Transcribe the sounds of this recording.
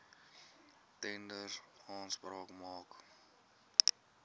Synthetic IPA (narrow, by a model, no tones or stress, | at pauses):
tɛndərɑːnsprɑːkmɑːk